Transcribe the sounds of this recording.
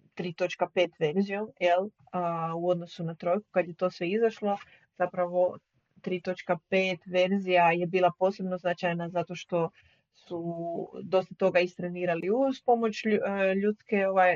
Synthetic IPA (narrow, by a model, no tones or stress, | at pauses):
t̪ɾiːt̪o̞t͡ʃkape̞ːt̪ʋe̞ɾzijomjel | əuo̞d̪no̞sunat̪ɾo̞jku̥kad̪je̞t̪o̞sʋe̞izaʃlo̞ | z̥apɾaʋo̞ | t̪ɾiːt̪o̞t͡ʃkapeːt̪ʋe̞ɾzijajebiːlˠapo̞ːse̞bnoznat͡ʃajnazat̪o̞ʃt̪o̞ | sud̪o̞st̪at̪oɡaist̪ɾeniːɾaliuzpo̞mo̞t͡ʃʎut̪skeoʋaj